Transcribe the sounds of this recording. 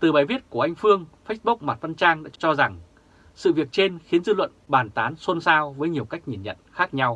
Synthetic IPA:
t̪ɨ˨˩ɓaː˨˩jvi˦˥ət̚ku˧˩əʔa˧jŋ̟fɨ˧əŋfe˦˥t̚ɓu˦˥k̚maː˨˩t̚va˧nt͡ɕaː˧ŋɗa̰ː˧˥t͡ɕɔ˧za˨˩ŋ | sɨ̰˧˨vi˨˩ək̚t͡ɕe˧nxi˨˦ənzɨ˧lwə̰˧˨nɓaː˨˩nt̪aː˨˦nso˧nsaː˧wvəː˨˦jɲi˨˩əwka˦˥jk̚ɲi˨˩nɲə̰˧˨nxaː˦˥k̚ɲa˧w

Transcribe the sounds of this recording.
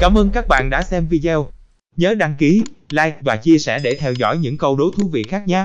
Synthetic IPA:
kaː˨˦mʔəː˧nkaː˦˥k̚ɓa̰ː˧˨nɗa̰ː˧˥sɛ˧mvi˧zɛ˧w | ɲəː˨˦ɗa˧ŋki˨˦laː˧jk̚vaː˨˩t͡ɕi˧əsɛ̰˧˩ɗe˧˩t̪ʰɛ˧wzɔ̰˧˨jɲɨ̰˧˥ŋkə˧wɗo˨˦jt̪ʰu˨˦vḭ˧˨xaː˦˥k̚ɲaː˧w

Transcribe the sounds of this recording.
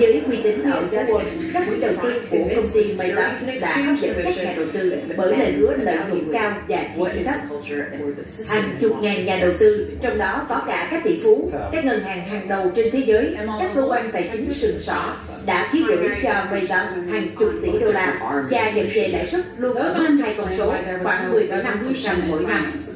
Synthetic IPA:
zəː˨˦jkwi˧t̪ï˨˦ŋ̟na̰˧˨zaː˨˦k | kaː˦˥k̚mḭ˧˥˦ɗə˨˩wt̪i˧kṵ˧˩xə˧wŋ͡mt̪i˧nmə˧jt̪a˦˥sɗa̰ː˧˥xaː˨˧zə̰˧˨˥n˧˨aː˦˥˨ɲaː˨˩ɗə˨˩wt̪ɨ˧ɓəː˧˩jlə̰˧˨˩jhɨ˨˥ələ̰˧˨zʊ̰˧˩˥ŋ͡mkaː˧wzaː˨˩jki˧˩˧t̪ʰə˦˥p̚ | haː˨˩t͡ɕʊ˨˩k͡p̚ŋaː˨˩nɲaː˨˩ɗə˨˩wt̪ɨ˧t͡ɕɔ˧wŋ͡mɗɔ˨˦kɔ˨˦kaː˧˩kaː˦˥k̚t̪ḭ˧˥˨fu˨˦kaː˦˥k̚ŋə˨˩nhaː˨˩ŋɦaː˨˩ŋɗə˨˩wt͡ɕe˧nt̪ʰe˨˦zəː˨˦jkaː˦˥kkːə˧ʔwa˧ŋ̟t̪aː˨˩jt͡ɕi˨˦sɨ˨˩ŋsɔ̰˧˩ | ɗa̰ː˧˥ki˨˦əzə̰˧˨˥t͡ɕɔ˧və˧jt̪a˦shaː˨˩ŋt͡ɕʊ˨˩k͡p̚t̪ḭ˧˩ɗo˧laː˧t͡ɕaː˧˩ɲə̰˧˥ŋze˨˩ɗa̰ː˧˥˨jswə˦˥t̚lu˧ənkə˦˥haː˧jkə˧˩ŋ͡mso˨˦˨xwaː˨˩ŋmɨ˨˩əjkaː˨˦na˧mlsa˧˩wŋ͡mmo̰˧˨jna˧m

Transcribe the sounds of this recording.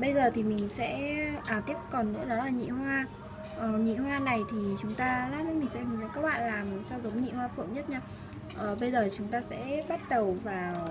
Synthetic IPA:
ɓə˧jzəː˨˩t̪ʰi˨˩mï˨˩ŋ̟sɛ̰˧˥ʔaː˨˩t̪i˦˥əp̚kɔ˨˩nːɨ̰˧˥ənɔ˨˦laː˨˩ɲḭ˧˨ɦwaː˧ | ʔə˨˩ɲḭ˧˨ɦwaː˧na˨˩jt̪ʰi˨˩t͡ɕʊ˨˦ŋ͡mt̪aː˧laː˨˦˥mï˨˩ŋ̟sɛ̰˧˥hɨ˨˩˦kːkaː˦˥k̚ɓa̰ː˧˨nlaː˨˩mt͡ɕɔ˧wzə˨˦ŋ͡mɲḭ˧˨hwaː˧fɨ̰˧˨əŋɲə˦˥t̚ɲaː˧ | ʔəː˨˩ɓə˧jzəː˨˩t͡ɕʊ˨˦ŋ͡mt̪aː˧sɛ̰˧˥ɓa˦˥t̚ɗə˨˩wvaː˨˩

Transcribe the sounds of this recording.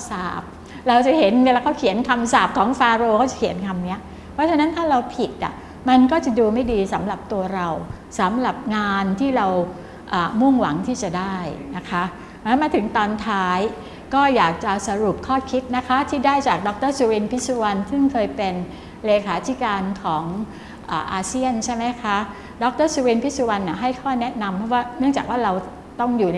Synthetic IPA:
saː˨˩p̚ | ɾa˧wt͡ɕa˨˩ɦe˩˦nwe˧laː˧kʰa˥˩kʰi˨˩˦ənkʰa˧msaː˨˩p̚kʰɔː˩˦ŋfaː˧ɾoː˧kʰɔ˥˩t͡ɕa˨˩kʰi˩˦ənkʰa˧mni˦˥ɐ | pʰɾɔ˦˥t͡ɕʰa˧na˦˥nt̪ʰaː˥˩ɾa˧wpʰi˨˩t̪̚ʔa̰˨˩ | ma˧nkɔː˥˩t͡ɕa˨˩duː˧ma˥˩jdiː˧sa˩˦mɾa˨˩p̚t̪u˧ɐɾa˧w | sa˩˦mɾa˨˩p̚ŋaː˧nt̪ʰiː˥˩ɾa˧w | ʔaː˨˩mu˥˩ŋwa˩˦ŋt̪ʰiː˥˩t͡ɕa˨˩daː˥˩jna˦˥kʰa˦˥ | lɛ˦˥maː˧t̪ʰɯ˩˦ŋt̪ɔː˧nt̪ʰaː˦˥j | kɔː˥˩jaː˨˩k̚t͡ɕa˨˩sa˧ɾu˨˩p̚kʰɔː˥˩kʰi˦˥t̪̚na˦˥kʰa˦˥t̪ʰiː˥˩daː˥˩jt͡ɕaː˨˩k̚dɔ˦˥k̚t̪ɤː˥˩su˧wi˧npʰi˦˥t̪̚su˧wa˧nsɯ˥˩ŋkʰɤː˧jpe˧n | leː˧kʰaː˩˦t̪ʰiː˦˥kaː˧nkʰɔː˩˦ŋ | ʔa̰ː˨˩ʔaː˧si˥˩ənt͡ɕʰa˥˩jma˦˥jkʰa˦˥ | dɔ˦˥k̚t̪ɤː˥˩su˧wi˧npʰi˦˥su˧wa˧nːi˨˩ɦa˥˩jkʰɔː˥˩nɛ˦˥na˧mpʰɔ˦˥waː˥˩nɯ˥˩ŋt͡ɕaː˨˩k̚waː˥˩ɾa˧w | t̪ɔ˥˩ŋjuː˨˩

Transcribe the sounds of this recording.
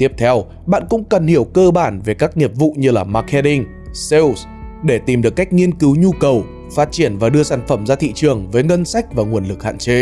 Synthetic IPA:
t̪i˦˥əp̚t̪ʰɛ˧w | ɓa̰ː˧˨nkʊ̰˧˥ŋ͡mkə˨˩nhi˧˩əwkəː˧ɓaː˧˩nve˨˩kaː˦˥k̚ɲi˨˩p̚vṵ˧˨ɲɨ˧laː˨˩maː˧ke˧ti˧ŋ | se˧ws | ɗe˧˩t̪i˨˩mɗɨ˨˩əkːa˦˥jk̟̚ŋi˧ənkɨ˨˦wɲu˧kə˨˩w | faː˦˥t̚t͡ɕi˧˩ənvaː˨˩ɗɨ˧əsaː˧˩nfə˧˩mzaː˧t̪ʰḭ˧˨t͡ɕɨ˨˩əŋvəː˨˦jŋə˧nsa˦˥jk̚vaː˨˩ŋu˨˩ənlɨ˨˩k̚ha̰ː˧˨nt͡ɕe˨˦

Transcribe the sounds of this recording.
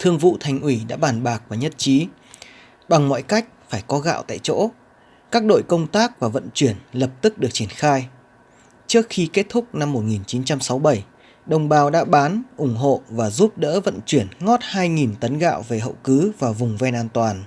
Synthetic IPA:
t̪ʰɨ˧əŋvṵ˧˨t̪ʰa˨˩jŋ̟ʔwi˧˩ɗa̰ː˧˥ɓaː˨˩nɓaː˨˩k̚vaː˨˩ɲə˦˥t̚t͡ɕi˨˦ | ɓa˨˩ŋmɔ̰˧˨jka˦˥jk̟̚faː˧˩jkɔ˨˦ɣa̰ː˧˨wt̪a̰ː˧˨jt͡ɕo̰˧˥ | kaː˦˥k̚ɗo̰˧˨jkə˧wŋ͡mt̪aː˦˥k̚vaː˨˩və̰˧˨nt͡ɕwi˧˩ənlə˨˩p̚t̪ɨ˦˥k̚ɗɨ˨˩ək̚t͡ɕi˧˩ənxaː˧j | t͡ɕɨ˦˥ək̚xi˧ke˦˥t̚t̪ʰʊ˦˥k͡p̚na˧mːo˨˩t̚ŋi˨˩nt͡ɕi˨˦nt͡ɕa˧msa˨˦wɓə˧˩j | ɗə˧˩wŋ͡mɓaː˨˧wɗa̰ː˧˥ɓaː˨˦nʔʊ˧˩ŋ͡mɦo̰˧˨vaː˨˩zu˦˥p̚ɗə̰ː˧˥və̰˧˨nt͡ɕwi˧˩ənŋɔ˦˥t̚haː˧jŋi˨˩nt̪ə˨˦nɣa̰ː˧˨wve˨˩ɦə̰˧˨wkɨ˨˦vaː˨˩vʊ˨˩ŋ͡mvɛ˧nʔaː˧nt̪waː˨˩n

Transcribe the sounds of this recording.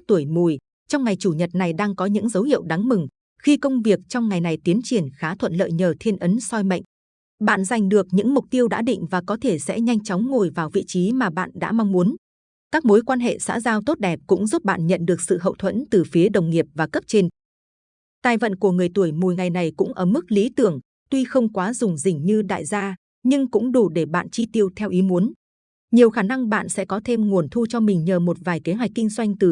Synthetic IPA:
t̪u˧˩əjmu˨˩j | t͡ɕɔ˧wŋ͡mŋa˨˩jt͡ɕu˧˩ɲə˨˩t̚na˨˩jɗaː˧ŋkɔ˨˦ɲɨ̰˧˥ŋzə˨˦whḭ˧˨əwɗa˨˦ŋmɨ˨˩ŋ | xi˧kə˧wŋ͡mvi˨˩ək̚t͡ɕɔ˧wŋ͡mŋa˨˩jna˨˩jt̪i˨˦nt͡ɕi˨˩ənxaː˨˦t̪ʰwə̰˧˨nlə̰ː˧˨jɲəː˨˩t̪ʰi˧nʔə˨˦nsɔ˧jmə̰˧˨ŋ̟ | ɓa̰ː˧˨nza˨˩jŋ̟ɗɨ˨˩ək̚ɲɨ̰˧˥ŋmʊ˨˩k͡p̚t̪i˧əwɗa̰ː˧˥ɗḭ˧˨ŋ̟vaː˨˩kɔ˨˦t̪ʰe˧˩sɛ̰˧˥ɲa˧jŋ̟t͡ɕɔ˨˦wŋ͡mŋo˨˩jvaː˨˩wvḭ˧˨t͡ɕi˨˦maː˨˩ɓa̰ː˧˨nɗa̰ː˧˥ma˧wŋ͡mmu˨˦ən | kaː˦˥k̚mo˨˦jkwaː˧nɦḛ˧˨sa̰ː˧˥zaː˧wt̪o˦˥t̚ɗɛ˨˩p̚kʊ̰˧˥ŋ͡mzu˦˥p̚ɓa̰ː˧˨nɲə̰˧˨nɗɨ˨˩ək̚sɨ̰˧˨ɦə̰˧˨wt̪ʰwə̰˧˥nt̪ɨ˨˩fi˨˦əɗə˨˩wŋ͡mŋi˨˩əp̚vaː˨˩kə˦˥p̚t͡ɕe˧n | t̪aː˧˩jvə̰˧˨nku˧˩əŋɨ˨˩əjt̪u˧˩əjmo˨˩jŋa˨˩jna˨˩jkʊ̰˧˥ŋ͡mʔəː˧˩mɨ˦˥k̚li˨˦t̪ɨ˧˩əŋ | t̪wi˧xə˧wŋ͡mkwaː˨˦zʊ˨˩ŋ͡mzï˨˩ŋ̟ɲɨ˧ɗa̰ː˧˨jzaː˧ | ɲɨ˧ŋkʊ̰˧˥ŋ͡mɗu˧˩ɗe˧˩ɓa̰ː˧˨nt͡ɕi˧t̪i˧əwt̪ʰɛ˧wʔi˨˦mu˨˦ən | ɲi˨˩əwxaː˧˩na˧ŋɓa̰ː˧˨nsɛ̰˧˥kɔ˨˦t̪ʰe˧mŋu˨˩ənt̪ʰu˧t͡ɕɔ˧mï˨˩ŋ̟ɲəː˨˩mo˨˩t̚vaː˨˩jki˨˦nɦwa˨˩jk̚kːï˧ŋzwa˧jŋ̟t̪ɨ˨˩

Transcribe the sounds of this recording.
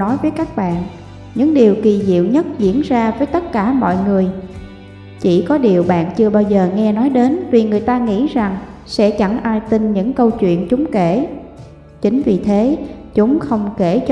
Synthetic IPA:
nɔ˨˦jvəː˨˦jkaː˦˥k̚ɓa̰ː˧˨n | ɲɨ̰˧˥ŋɗi˨˩əwki˨˩zḭ˧˨əwɲə˦˥t̚zḭ˧˥ənzaː˧vəː˨˦jt̪ə˦˥t̚kaː˧˩mɔ̰˧˨jŋɨ˨˩əj | t͡ɕi˧˩kɔ˨˦ɗi˨˩əwɓa̰ː˧˨nt͡ɕɨ˧əɓaː˧wzəː˨˩ŋɛ˧nɔ˨˦jɗe˨˦nvi˨˩ŋɨ˨˩əjt̪aː˧ŋḭ˧˥za˨˩ŋ | sɛ̰˧˥t͡ɕa˧˩ŋʔaː˧jt̪i˧nɲɨ̰˧˥ŋkə˧wt͡ɕwḭ˧˨ənt͡ɕʊ˨˦ŋ͡mke˧˩ | t͡ɕï˨˦ŋ̟vi˨˩t̪ʰe˨˦t͡ɕʊ˨˦ŋ͡mxə˧wŋ͡mke˧˩t͡ɕ

